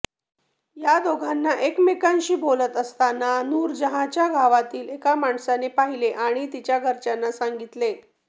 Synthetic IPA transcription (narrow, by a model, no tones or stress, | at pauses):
jad̪oɡʱanːaʔekmekanɕiːbolət̪əst̪ananuːɾd͡ʑəɦat͡ɕjaɡʱaʋat̪iːlekamaɳsanepaɦileʔaɽ̃it̪it͡ɕjaɡʱəɾt͡ɕanːasaŋɡit̪le